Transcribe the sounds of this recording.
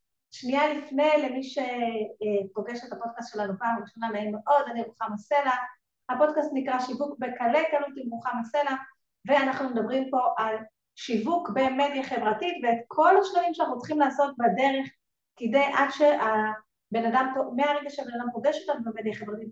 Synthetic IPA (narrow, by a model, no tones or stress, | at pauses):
ʃnialifne̞jlemiʃe̞ | po̞ɡeʃethapo̞d̚kastʃe̞lanupaːmʁiʃonamainmeʔo̞daniʁuχamase̞la | hapo̞dkast̪nikʁaʃivukbekalekalutimʁuχamase̞la | veanaχnumedabʁimpo̞ʔal | ʃivukbe̞me̞d̪jaχe̞vʁatitveːtkʰo̞laʃlanimʃanaχnut͡sχimlaːso̞t̚bade̞ʁe̞χ | kidejʔadʃe̞ʔa | be̞nadampomeaʁeɡaʃeabe̞nadampo̞ɡeʃotanubemed̪jaχevʁatit̚